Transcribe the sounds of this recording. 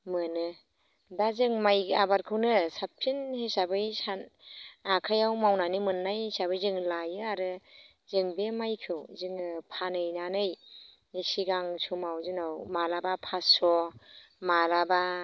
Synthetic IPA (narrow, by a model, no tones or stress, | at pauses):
mɯnɯ | dazɯŋmajabaɾkʰɯwnɯsap̚ʰinhesabɯjsanakʰajawmawnanimɯnːajsabɯjzɯŋlajɯaɾɯ | zɯŋbemajkʰɯwzɯŋpʰanɯjnanɯj | nisiɡaŋsʰumawzɯnawmalabapʰasɔ | malaba